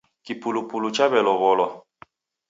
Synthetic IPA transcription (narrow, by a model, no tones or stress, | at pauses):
kipulupulut͡ʃaβɛlɔβɔlɔ